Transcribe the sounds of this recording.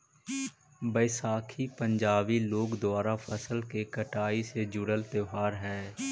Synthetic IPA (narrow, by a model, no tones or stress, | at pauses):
bəɪsaːkʰipə̃ɲd͡ʒaːbiloːɡd̪ʊaːɾapʰəsəlkekəʈaːised͡ʒʊɽəlt̪eɦaːɾɦɛː